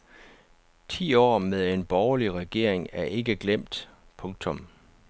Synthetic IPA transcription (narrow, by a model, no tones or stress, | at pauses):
t͡sʰḭːɒ̰ːmeðˠe̝nb̥ɒʊɐliʁɛɡ̥e̝ɐ̰e̝ŋæɐʔe̝ɡ̥əɡ̥lem̰d̥pʰɔ̽ŋ̚t͡sʰɔ̽m